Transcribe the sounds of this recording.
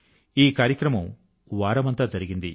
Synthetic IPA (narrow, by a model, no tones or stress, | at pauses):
iːkaːɾjɐkɾɐmɐm | ʋaːɾɐmɐnt̪aːd͡ʒɐɾiɡind̪i